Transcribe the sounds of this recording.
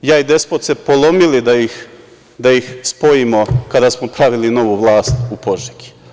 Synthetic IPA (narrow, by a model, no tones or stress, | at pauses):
jaid̪e̞spot̪sepolˠo̞milid̪ajix | d̪ajixspo̞jimo̞kad̪asmopɾaʋilino̞ʋuʋlˠaːst̪upo̞ʒiɡi̥